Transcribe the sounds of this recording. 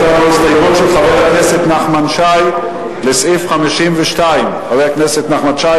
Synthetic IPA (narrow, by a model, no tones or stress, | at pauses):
abeist̪ajmut̪ʃelχavejakneset̪naχmanʃaj | lesʔifχamiʃimveʃtaimχavejakneset̪naχmanʃaj